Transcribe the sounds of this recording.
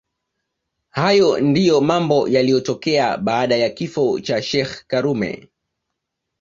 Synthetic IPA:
hajɔndijɔmambɔjalijɔtɔkɛa̰ɓaːɗajakifɔt͡ʃaʃɛxkaɾumɛ̰

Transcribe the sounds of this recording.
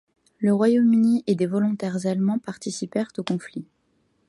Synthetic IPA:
ləʁwajomyniʔed̪evɔlɔ̃t̪ɛʁzalmɑ̃paʁt̪isipɛʁt̪okɔ̃fli

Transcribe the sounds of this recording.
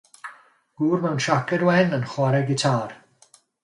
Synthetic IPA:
ɡ̥uːrmɛwnʃakɛdwɛnənχwaɾɛɡɪtʰaːr

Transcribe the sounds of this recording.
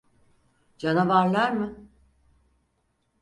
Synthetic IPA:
d͡ʒanavaɾlˠaɾmɯ

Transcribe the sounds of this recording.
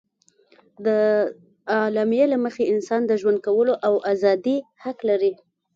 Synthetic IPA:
d̪ə | ɑlɑmijelaməxeɪnsɑnd̪əʒwand̪̚kawəloʔawʔazɑd̪ihaklaɾi

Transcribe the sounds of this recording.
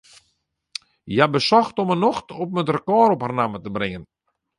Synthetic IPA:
jabəsɔxtɔmənoxtɔp̚mətrəkɔːɾɔpharnamətəbrɪŋən

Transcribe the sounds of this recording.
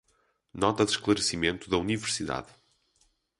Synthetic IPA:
nɔt̪ɐðʃklˠɐɾsimẽnt̪uðɐunivɨɾsiða̰ð

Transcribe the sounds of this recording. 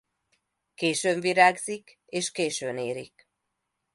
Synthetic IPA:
keːʃøːɱviɾaːɡzik | eːʃkeːʃøːneːɾik

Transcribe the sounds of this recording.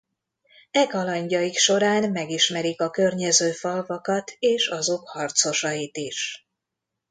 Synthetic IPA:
ɛkɒlɒɲɟɒjikʃo̞ɾaːnmɛɡiʃmɛɾikɒkø̞rɲɛzøːfɒlvɒkɒt̪ʰeːʃɒzo̞khɒrt̪so̞ʃɒjit̪iʃ

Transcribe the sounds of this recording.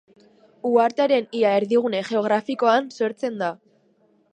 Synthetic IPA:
uaɾt̪eaɾe̞niaeɾðiɣ̞une̞ʝe̞o̞ɣɾafiko̞anso̞ɾt͡se̞nd̪a

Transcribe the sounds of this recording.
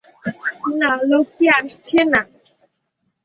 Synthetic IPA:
nalowkeaɾst͡ʃʰena

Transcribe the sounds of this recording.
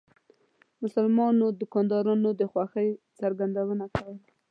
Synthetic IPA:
mʊsʊlmɑnod̪ʊkɑnd̪ɑɾɑnod̪əxwɑxəjt͡saɾɡand̪awənakawəl

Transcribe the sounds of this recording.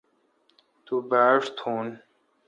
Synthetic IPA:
t̪ubaːʂt̪ʰuːn

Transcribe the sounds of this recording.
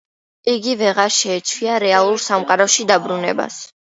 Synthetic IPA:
iɡivɛʁaɾʃɛːt͡ʃʰwiaɾɛalˠuɾsamqʼaɾɔʃid̪abɾunɛ̰ba̰s

